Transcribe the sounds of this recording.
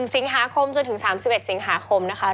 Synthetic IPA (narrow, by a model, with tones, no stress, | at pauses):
ŋsi˩˦ŋɦaː˨˩˦kʰo˧mt͡ɕo˨˧˨nt̪ʰɯ˩˦ŋsaː˩˦msi˨˩pʔe˨˩t̪̚si˩˦ŋɦaː˩˦kʰo˧mna˦˥kʰa˦˥